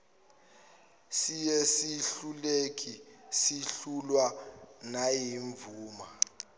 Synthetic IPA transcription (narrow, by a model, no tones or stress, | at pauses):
sijesiɬulek̬ʼʰisiɬulwanajiɱvuːma